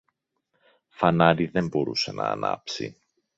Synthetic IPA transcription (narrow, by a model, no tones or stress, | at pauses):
fɐnɐɾiðe̞mbo̞ɾuse̞nɐːnɐ̰psḭ